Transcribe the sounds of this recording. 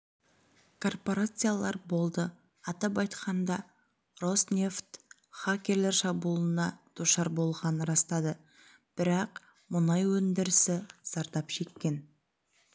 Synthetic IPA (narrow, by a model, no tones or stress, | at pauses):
kʰo̞rpo̞ɾat̪sɨjalˠɑɾbo̞lˠd̪ə | ɑt̪ɑp̬ɑjt̪qɑnd̪ɑ | ro̞snʲeft̪ | χakʲe̞ɾle̞ɾʃɑbulˠənɑd̪̥uʃɑɾbo̞lˠʁɑnəɾɑst̪ɑd̪ə | b̥ɪɾɑq | mʊnɑjwɵnd̪ɪɾɪsɪz̥ɑɾt̪ɑpʃe̞kʲːe̞n